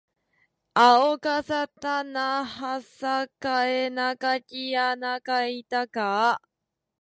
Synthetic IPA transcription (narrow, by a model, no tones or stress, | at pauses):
aokasat̪anahasakaenakacianakait̪aka